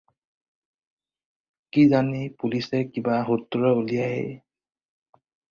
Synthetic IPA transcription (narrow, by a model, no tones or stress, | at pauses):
kizanipulisɛkibaɦutːuɹɛulijaḛ